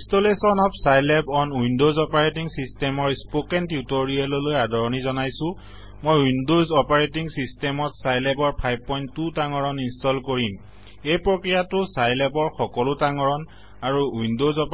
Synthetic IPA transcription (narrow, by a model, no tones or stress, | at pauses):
istolesɔnɔpʰsajlɛbɔnuindozɔpaɹetiŋsistɛmɔɹispokɛntjutɔɹialɔlojadʱɔɹɔnizɔnajsʊ̃ | mojuindozɔpaɹetiŋsistɛmɔtsajlɛbɔɹpʰajb̚pɔjntːutaŋɔɹɔninstɔlkoɹim | ejpɹokɹijatʊsajlɛbɔɹxɔkɔlʊtaŋɔɹɔn | aɹuuindozɔp